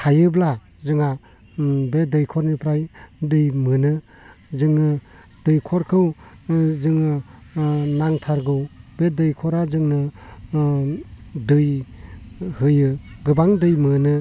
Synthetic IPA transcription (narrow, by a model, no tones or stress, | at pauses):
kʰajɯbla | zɯŋa | bedɯjkʰɔɾnipʰɾajdɯjmɯnɯ | zɯŋɯ | d̥ɯjkʰɔɾkʰɯwzɯŋɯ | naŋtʰaɾɡɯwbedɯjkʰɔɾazɯŋnɯ | dɯj | hɯjɯɡɯbaŋdɯjmɯnɯ